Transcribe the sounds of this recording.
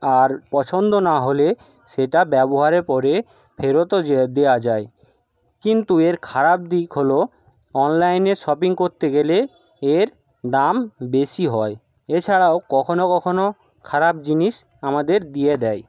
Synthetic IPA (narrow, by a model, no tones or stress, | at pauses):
aɾpɔt͡ɕʰond̪onaɦole | ʃeʈabɛboɦaɾeɾpɔɾe | fʰeɾot̪od͡ʑed̪ewad͡ʑae | kint̪ueɾkʰaɾab̚d̪ikɦolo | ɔnlajneʃɔpiŋkoɾt̪eɡele | eɾ | d̪ambeʃiɦɔe | et͡ɕʰaɽaokɔkʰonokɔkʰono | kʰaɾab̚d͡ʑiniʃ | amad̪eɾd̪ijed̪ɛj